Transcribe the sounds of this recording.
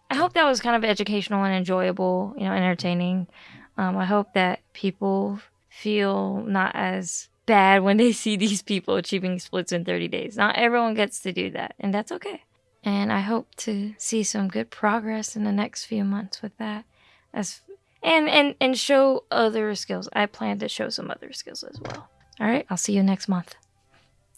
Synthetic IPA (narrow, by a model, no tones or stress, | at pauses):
aɪɦoʊp̚ðɨt̚wʌz̥kʰãɪ̃ndʌvɛd͡ʒɨkʰeɪʃn̩l̩ˠə̃nɨ̃nd͡ʒɔɪɨbl̩ˠjɨ̰noʊɛ̃ɾ̃ə˞tʰẽɪ̃nɪ̃ŋ | ʌ̃maɪɦoʊp̚ðɨt̚pʰipl̩ˠ | filˠnə̰ɾʔɨ̰z̥ | b̥æd̚wə̃nðeɪsiðiz̥pʰipl̩ˠt͡ʃʰipɪ̃ŋsplɪtsɨ̃nθɜ̰˞ɾidḛɪznaʊʔɛvɹiwʌ̃nɡɛtstʰɨdɨ̰ðæ̰t̚ɨ̰̃nðætsoʊkʰeɪ | ʔɨ̃na̰ɪɦoʊp̚tʰɨsisʌ̃mɡʊd̚pʰɹ̥ɑɡɹɛsɨ̃n̩ðɨnɛkstfjʉmʌ̃nθswɨðæt̚ | ʔɨz̥ | ʔɨ̃nɨ̃nɨ̃nʃoʊʔʌðə˞skɪlˠza̰ɪpʰl̥æ̃ntɨʃoʊsʌ̃mʌ̰ðə̰˞skɪ̰lˠzə̰zwɛ̰lˠ | ɑlˠɹaɪt̚aɪlˠsijɨnɛkst̚mʌ̃nθ